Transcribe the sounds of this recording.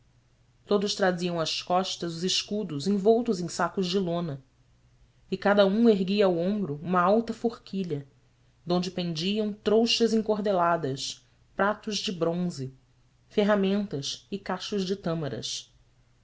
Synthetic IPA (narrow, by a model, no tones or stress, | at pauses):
t̪od̪ʊʃt̪ɾaziɐ̃w̃ɐskɔʃt̪ɐzʊzɪʃkud̪ʊzẽj̃vowt̪ʊzẽj̃sakʊzd͡ʒɪlõnɐ | ɪkad̪ɐũeɦɡiɐːwõmbɾʊũmɐawt̪ɐfoχkʰiʎɐ | d̪õnd͡ʒɪpẽnd͡ʒiɐ̃w̃t̪ɾowʃɐzĩkoɦd̪elad̪ɐs | pɾat̪ʊzd͡ʒɪbɾõzɪ | feɦamẽnt̪ɐsɪkaʃʊzd͡ʒɪt̪ɐ̃mɐɾɐ̰s